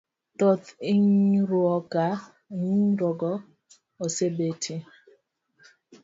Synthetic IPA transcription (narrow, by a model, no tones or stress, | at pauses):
tɔtiŋɾʊɔka | ŋɾɔɡɔ | ɔsebetʰi